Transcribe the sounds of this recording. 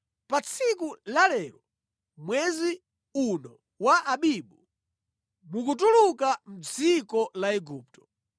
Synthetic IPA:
pat͡sʰikulalɛɾɔ | mwɛzi | unɔ | waʔaɓiɓu | mukutulukam̩d͡zikɔlaɛɡuːp̚tɔ̥

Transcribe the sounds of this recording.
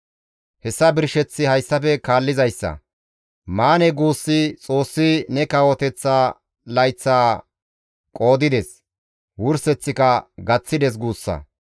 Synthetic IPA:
hɛsːɐbɪɾʃɛt͡sːɪhɐjsːɐfɛkaːlːɪzɐjsːɐ̰ | maːnɛɡuːsːɪt͡sʼo̞ːsːɪnɛkɐwɔt̪ɛt͡sːaː | lɐjt͡sːaː | kʼo̞ːd̪ɪd̪ɛs | wʊɾsɛt͡sːɪkɐɡɐt͡sːɪd̪ɛs̬ɡuːsːɐ̰

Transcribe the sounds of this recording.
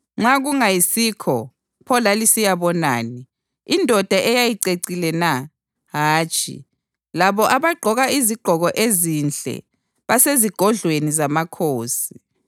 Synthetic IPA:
ŋ͡ǁaɣuŋajisikʰɔ | pʰɔlalisijaβɔna̰ːni | indʱɔd̥ʱaʔɛjajiǀeǀilɛna | ɦaːt͡ʃʼʰḭ | laβɔʔaβaɡ͡ǃʱɔɣaiziɡ͡ǃ̥ʱɔɣɔʔezind͡ɮɛ̰ | βaseziɡ̥ʱɔɮwenizamakʰoːsi

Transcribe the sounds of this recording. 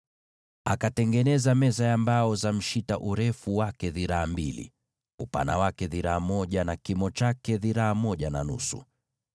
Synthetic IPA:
akatɛŋɡɛnɛzamɛzajambaɔzam̩ʃitaʔuɾɛfuwakɛðiɾaːmbilḭ | upa̰na̰wakɛðiɾaːmɔʄanakimɔt͡ʃakɛðiɾaːmɔʄananusṵ

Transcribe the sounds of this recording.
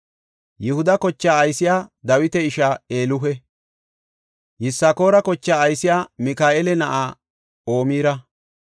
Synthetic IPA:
jɪhʊd̪ɐkɔt͡ʃːaːɐjsɪjaːd̪ɐwɪt̪ɛɪʃaeːlʊɦɛ | jɪsːako̞ːɾɐkɔt͡ʃːaːɐjsɪjaːmɪkaːʔelɛnɐʔaː | o̞ːmiːɾɐ

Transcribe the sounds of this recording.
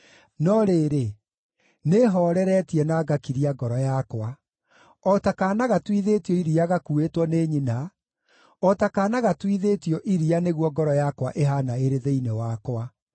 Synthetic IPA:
nɔɾeːɾe | neɦɔːɾɛɾɛtiɛnaɡakiɾiaɡɔɾɔjakwa | ɔtakaːnaɣatiðeːtjɔiɾiaɣakuetwɔneːɲina | ɔtakanaɣatwiðetjɔʔiɾianeɣwɔɡɔɾɔjakwa̰ʔeɦanaeɾeðeinewakwa

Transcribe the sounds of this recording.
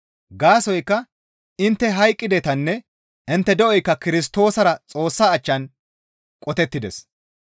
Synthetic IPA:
ɡaːsɔjkːɐ | ɪnt̪ːɛɦɐjkʼːɪd̪ɛt̪ɐnːɛ | ɪnt̪ːɛd̪ɛʔɔjkːɐkɪɾɪs̬t̪o̞ːsɐɾɐt͡sʼo̞ːsːaːt͡ʃːɐn | kʼɔt̪ɛt̪ːɪd̪ɛs

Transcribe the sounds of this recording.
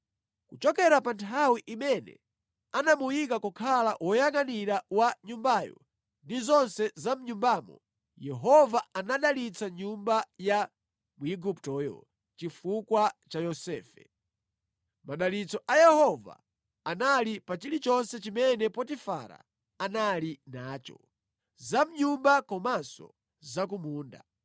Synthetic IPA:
kut͡ʃɔkɛɾapantʰawiʔimɛnɛ̰ | anamujikakukʰalawɔjaŋaniɾawaɲumbaːjɔ̰ | ndizɔnsɛzam̩ɲumbaːmɔ̰ | jɛɦɔvaanaɗalit͡saɲumbaja | muiɡuptɔjɔ̰ | t͡ʃifukwat͡ʃajɔsɛ̰ːfɛ̰ | maɗalit͡sɔʔajɛhɔva̰ | analipat͡ʃilit͡ʃɔnsɛt͡ʃimɛnɛpɔtifa̰ɾa̰ | analinaːt͡ʃɔ̰ | zam̩ɲumbakɔmasɔ̰ | zak̬umuːnda̰

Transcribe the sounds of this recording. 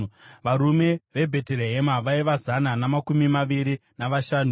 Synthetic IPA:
ʋaɾume̞ʋe̞bʱe̞tereɦemaʋaiʋazananamakumimaʋiɾinaʋaʃaːnu

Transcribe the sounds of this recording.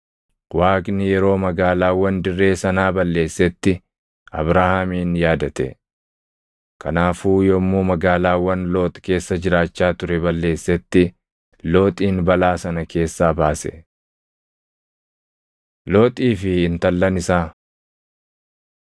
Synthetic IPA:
waːkʼnɪjɛɾo̞ːmɐɡaːlaːwɐnd̪ɪrːe̞ːsɐnaːbɐlːe̞ːsːɛt̪ːɪ | ɐbɾahaːmiːnjaːd̪ɐt̪ɛ̰ | kʰɐnaːfuːjɔmːuːmɐɡaːlaːwɐnloːt̪ʼke̞ːsːɐd͡ʒɪɾaːt͡ʃːaːt̪ʊɾɛbɐlːe̞ːsːɛt̪ːɪ | lo̞ːt̪ʼiːnbɐlaːsɐnɐkʰe̞ːsːaːbaːsɛ̰ | loːt̪ʼiːfɪɪnt̪ɐlːɐnɪsaː

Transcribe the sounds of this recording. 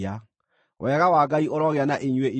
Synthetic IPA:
a | wɛɣawaːɡaiʔoɾɔɣeanaʔeɲwei

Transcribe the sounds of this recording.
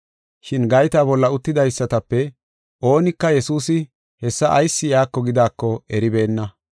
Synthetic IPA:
ʃɪnɡɐjt̪aːbɔlːɐʊt̪ːɪd̪ɐjsːɐt̪ɐpːɛ | ʔo̞ːnɪkːɐjɛsuːsɪ | hɛsːɐʔɐjsːɪjaːkːɔɡɪd̪aːkːɔɛɾɪbe̞ːnːɐ

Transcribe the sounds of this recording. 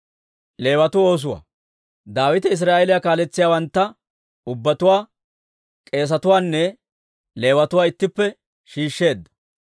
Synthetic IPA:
le̞ːwɐt̪ʊo̞ːs̬ʊwa̰ː | d̪aːwɪt̪ɛɪs̬ɾaːʔelɪjakaːlɛt͡sːɪjaːwɐnt̪ːɐ | ʊbːɐt̪ʊwaː | kʼe̞ːs̬ɐt̪ʊwaːnːɛ | le̞ːwɐt̪ʊwaːɪt̪ːɪpːɛ | ʃiːʃːe̞ːd̪ːɐ̥

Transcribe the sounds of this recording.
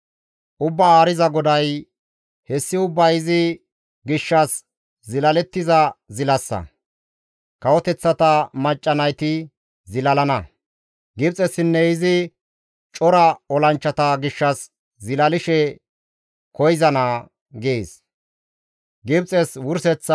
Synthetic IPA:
ʔʊbːɐaːɾɪzɐɡɔd̪ɐj | hɛsːɪʊbːɐjɪzɪ | ɡɪʃːɐs | zɪlɐlɛt̪ːɪzɐzɪlɐsːɐ̰ | kɐwɔt̪ɛt͡sːɐt̪ɐmɐt͡ʃʼːɐnɐjt̪ɪ | zɪlɐlɐnɐ | ɡɪb̚t͡sʼɛsɪnːɛɪzɪ | t͡ʃʼɔɾɐɔlɐnt͡ʃːɐt̪ɐɡɪʃːɐs | zɪlɐlɪʃɛ | kʰɔjɪzɐnɐː | ɡeːs | ɡɪbt͡sʼɛswʊɾsɛt͡sː

